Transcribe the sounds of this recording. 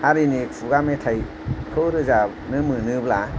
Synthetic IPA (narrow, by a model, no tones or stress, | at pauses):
aɾinipʰuɡametʰaj | kʰɯɾɯza | nɯmɯnɯbla